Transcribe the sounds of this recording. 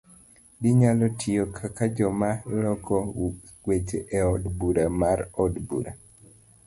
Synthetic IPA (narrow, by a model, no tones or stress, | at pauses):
dɪɲalɔtʰɪokʰakad͡ʒɔmalɔkʰɔ | wet͡ʃeʔeɔdbuɾamaɾɔdbṵɾa̰